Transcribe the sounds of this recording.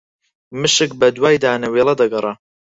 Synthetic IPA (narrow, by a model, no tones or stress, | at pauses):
mɨʃɨk̚bɐd̪waːjd̪aːnɐweːlˠɐd̪ɐɡɐrˤɐ